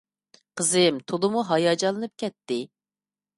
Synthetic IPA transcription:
qʰəzɨmt̪ʰolˠɨmuɦɑjɑd͡ʒɑlˠɨnɨp̚kʲɛt̪ːɪ

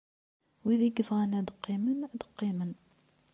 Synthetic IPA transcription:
wiðiɡəfʁænəd̪əqːimənd̪əqːimən

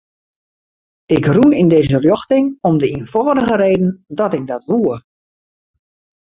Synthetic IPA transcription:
ɪkrunindeːzərjɔxtɪŋɔmdəinfɔːdəɣəɾeːdən̩dɔtɪk̚dɔtʋuə

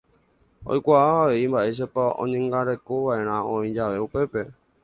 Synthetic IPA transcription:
o̰jkʷaʔaʋaʋe̞imbaʔe̞s̬apaõ̰ɲẽŋɡaɾe̞koʋaʔe̞ɾ̃ãõĩd͡ʒaʋe̞upe̞pe̞

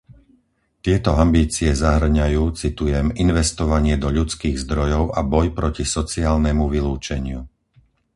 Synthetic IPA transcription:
t̪ɪɛt̪ɔambiːt͡siɛzaɦr̩ɲajuːt͡sit̪ujɛminʋɛst̪ɔʋaɲɪɛd̪ɔʎut͡skiːɣzd̪ɾɔjɔʊʔabɔjpɾɔcisɔt͡siaːlnɛmuʋiluːt͡ʃɛɲɪu

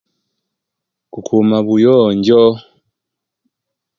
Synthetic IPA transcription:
kukʰumaβujɔɲɟɔ

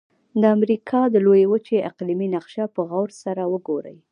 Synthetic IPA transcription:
d̪əamɾikʰɑd̪əlojewət͡ʃeʔɪqliminaqʃapəɣawɾsaɾawəɡoɾə̰j

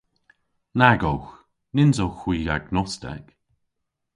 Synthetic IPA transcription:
naɡowx | nɪnzowxwiːɡaɡnɔstɛ̰k

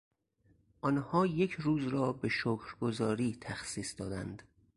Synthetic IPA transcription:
ʔɒnhɒːje̞cʰɾuːzɾɒːbe̞ʃoːkʰɾɡozɒːɾiːt̪ʰæxsiːsd̪ɒːd̪æ̰nd̪̥

